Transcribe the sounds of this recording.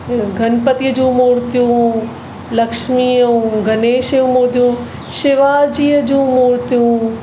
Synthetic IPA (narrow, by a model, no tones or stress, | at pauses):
ɡʱɐnpət̪iəd͡ʑũmoːɾt̪ijũ | lɐkʃmĩɡʱɐneːʃəjũmoːɾt̪ijũ | ʃɪʋaːd͡ʑiːəd͡ʑũːmoːɾt̪ijũː